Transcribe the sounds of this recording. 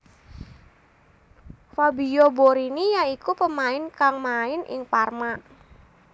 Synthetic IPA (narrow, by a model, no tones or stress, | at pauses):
fabijoboɾinijaikupəmaɪnkaŋmaɪnɪ̰ŋparma